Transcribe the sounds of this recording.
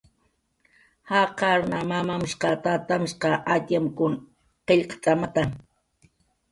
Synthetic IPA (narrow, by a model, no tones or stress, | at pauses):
haqɑɾnamamamʃqɑt̪at̪amʃqɑʔat̪jamkʊn | qeʎqt͡sʼamat̪a